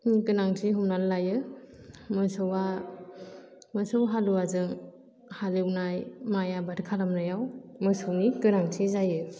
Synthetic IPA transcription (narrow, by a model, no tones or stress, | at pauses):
kɯnaŋtʰiɦumnanlajɯ | mɯsɔwa | mɯsɔwɦaluazɯŋ | haliwnajmajabadkʰalamnajawmɯsɯwnikɯnaŋtʰizajɯ